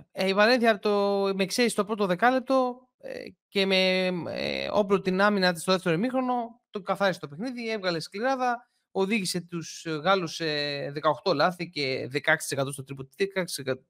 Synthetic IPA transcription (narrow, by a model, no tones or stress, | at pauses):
ivɐɾenθiɐɾt̪omeksest̪o̞pɾo̞t̪oðe̞kɐle̞p̚t̪o̞ | ce̞mḛ | o̞̰plot̪inɐminɐt̪̬isto̞ðeft̪e̞ɾoimixɾo̞no̞t̪okɐθɐɾist̪o̞pexniðievɣɐle̞skliɾɐðɐ | o̞ðiʝise̞t̪usɣɐluseðe̞kɐoxt̪o̞lɐθice̞ðekɐekst̪isekɐt̪ost̪ot̪ɾipot̪ekɐkssekɐt̪